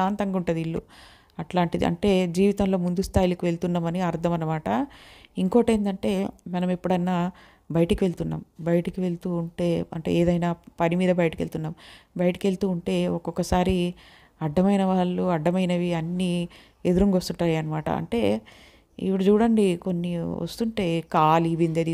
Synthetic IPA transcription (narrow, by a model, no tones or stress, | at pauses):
aːnt̪ɐŋɡuɳʈɐd̪iiɭːṵ | ɐʈlaːɳʈid̪ḭʔɐ̰ɳʈe̞ːd͡ʒiːʋit̪ɐmlo̞ːmund̪ust̪ʰaːjilɐkiʋe̞ɭt̪unːaːmɐniɐɾd̪ʰʱɐmɐnːɐmaːʈɐiŋkoːʈeːnd̪ɐɳʈe̞ːmɐnɐmepːuɽɐjnːaː | bɐjɐʈɐkiʋe̞ɭt̪unːa̰ːmbɐjɐʈɐkiʋe̞ɭut̪uːɳʈe̞ːɐ̰ɳʈḛeːd̪ɐjnaːpɐnimiːd̪ɐbɐjɐʈɐkiʋe̞ɭt̪unːaːmbɐjɐʈɐ̥kʋe̞ɭt̪uːuɳʈe̞ːɔkɔkːɐsaːɾi | ɐɖːɐmɐjnɐʋaːɭːuɐɖʱːɐmɐjnɐʋiɐnːi | ed̪uɾuŋɡʋɐst̪uʈːaːjiɐnːɐmaːʈɐ̰ɐ̰ɳʈe̞ː | ḭpːuɽut͡ʃuːɽɐɳɖikonːiʋɐ̰st̪uɳʈe̞ːkaːliʋind̪iɐd̪i